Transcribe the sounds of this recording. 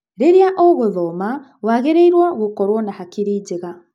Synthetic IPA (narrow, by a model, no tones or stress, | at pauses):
ɾeɾeaʔɔɣoðɔma | waɣeɾeiɾwaɣokɔɾwɔnahakiɾiːd͡ʑeɣa